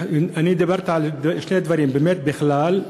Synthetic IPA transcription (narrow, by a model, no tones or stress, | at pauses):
anid̪abaɾt̪ʕald̪ʃned̪vaɾimbemet̪̚bɪxlal